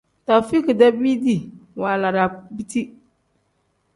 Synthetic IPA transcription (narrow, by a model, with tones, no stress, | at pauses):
ta˨fi˦ki˨da˦bi˦di˨wa˨la˨ɾa˨bi˦ti˦